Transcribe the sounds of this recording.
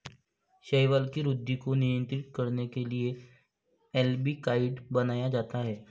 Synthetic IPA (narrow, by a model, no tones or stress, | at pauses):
ʃejʋaːlkiɾʊd̪ʱːikonɪjə̃nt̪ɾɪt̪̚kɐɾnekelie | ɛlbikaːɪɖbɐnaːjad͡ʒaːt̪aɦɛː